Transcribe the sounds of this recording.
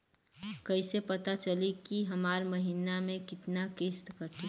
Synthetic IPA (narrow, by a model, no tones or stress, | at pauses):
kəɪsepɐt̪at͡ʃəlikiɦɐmaːɾmɐɦiːnamẽkɪt̪nakeːst̪kəɾt̪i